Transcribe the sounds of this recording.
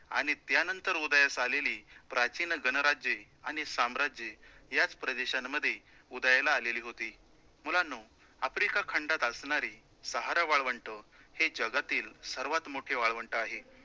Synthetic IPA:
a̰ɽ̃it̪janənt̪əɾud̪jasaleliːpɾat͡ɕinəɡənəɾad͡ʑje | aɽ̃isamɾad͡ʑjejat͡spɾəd̪eɕanːəd̪ʱːje | ud̪ajlaːleliːɦot̪iː | mulano | afɾikakʰəɳɖat̪əsɳaɾiː | səɦaɾaʋaɭʋəɳʈəhed͡ʑəɡat̪iːlsəɾʋat̪moʈʰeʋaɭʋəɳʈəaɦe

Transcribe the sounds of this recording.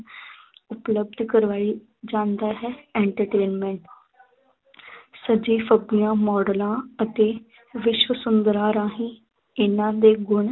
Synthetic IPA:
ʊpləbd̪kəɾʋaːiː | d͡ʒãːnd̪aːɦɛːɛːɳʈəɾʈeːnmɛ̃ːɳʈ | səd͡ʒiːfəbijãːmɔːɖəlãːət̪eː | ʋɪʃwəsʊnd̪əɾaːɾãːɦĩː | ɪnãːd̪eːɡʊɳ

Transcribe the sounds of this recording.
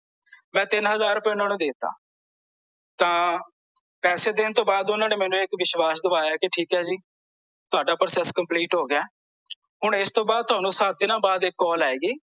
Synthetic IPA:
mɛ̃ːt̪ɪnɦəzaːɾʊpɛ̃ːʊnãːnũːd̪eːt̪ːa̰ː | t̪ãː | pɛːseːd̪ɪnt̪õːbaːd̪ʊnãːneːmɛːnũːɪkʋɪʃʋaːsd̪əʋaːaːkɪʈʰiːkɦɛːd͡ʒiː | t̪ʊaːɖaːpɾəːsɛskəmpliːʈɦoːɡɪaː | ɦʊɳɪst̪õːbaːd̪̚t̪ʊaːnũːsaːt̪̚d̪ɪnãːbaːd̪ɪkːɔːlaːeːɡiː

